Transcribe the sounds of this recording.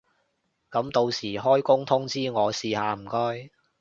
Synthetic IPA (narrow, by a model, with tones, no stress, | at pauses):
kɐ˨˥mt̪o˧wsiː˨˩ɦɔː˥jkʊ˥ŋt̪ʰʊ˥ŋt͡siː˥ŋɔː˨˧siː˧haː˨˧m̩˨˩kɔː˥j